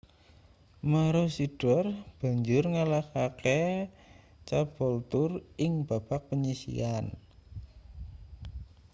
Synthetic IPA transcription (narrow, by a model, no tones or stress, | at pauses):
məɾosiɖ̥ɔrb̥a̤ɲd͡ʒʊrŋalakake | t͡ʃab̥ɔlt̪ʊrɪŋb̥a̤b̥ak̚pəɲisḭan